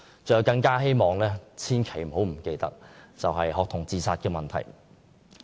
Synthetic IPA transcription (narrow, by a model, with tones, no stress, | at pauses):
t͡sœ˨˧jwkɐ˧ŋkaː˥ɦe˥jmɔː˨ŋlɛː˥t͡sʰiː˥nkʰe˨˩jm̩˨˩ɦo˨˥wm̩˨˩ke˧jt̪ɐ˥k̚t͡sɐ˨wɦɐ˨jɦɔː˨k̚t̪ʰʊ˨˩ŋt͡siː˨˧saː˧t̚kɛː˧mɐ˨nt̪ʰɐ̰˨˩j